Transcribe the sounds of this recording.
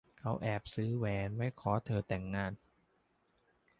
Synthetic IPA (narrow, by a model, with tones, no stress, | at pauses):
kʰa˦˥wʔɛː˨˩p̚sɯː˦˥wɛː˨˦nwa˦˥˩jkʰɔː˨˦t̪ʰɤː˧˩t̪ɛ˨˩ŋːaː˧˥˩n